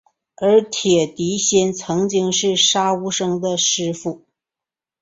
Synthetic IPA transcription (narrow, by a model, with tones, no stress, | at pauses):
ə˞˧˥t̪ʰjɛ˨˩t̪i˧˥ɕjɛ˥nt͡sʰɤ˧˥ŋt͡ɕi˥ŋʂɻ̩˥˩ʂa˥u˥ʂɤ˥ŋd̪ə˨ʂɻ̩˥fu˥˩